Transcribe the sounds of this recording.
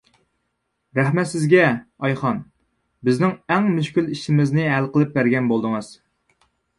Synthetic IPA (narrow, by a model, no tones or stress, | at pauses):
ɾɛhmɛt̪sɪzɡʲɛɑjχɑn | bɪznɪŋæŋmyʃkʲyliʃimɪznɪɦælqəlˠɨp̚bæɾɡʲɛnbolˠd̪ɨŋɨz̥